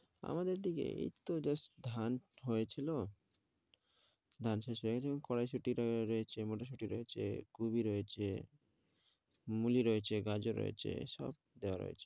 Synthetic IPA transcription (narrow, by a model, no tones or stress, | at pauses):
a̰mad̪eɾd̪ikḛḛt̪od͡ʑasd̪ʱanɦojet͡ɕʰilo | d̪ʱanʃeʃɦoeket͡ɕʰeoŋkɔɽajʃuʈiɾɾɔet͡ɕʰemoʈaʃ̬uʈiɾɔet͡ɕʰḛɡ̥ubiɾɔet͡ɕʰe | muliɾɔet͡ɕʰeɡad͡ʑoɾɔ̰jḛt͡ɕʰḛʃɔ̰b̚d̪eoa̰ɾɔ̰jet͡ɕʰe̥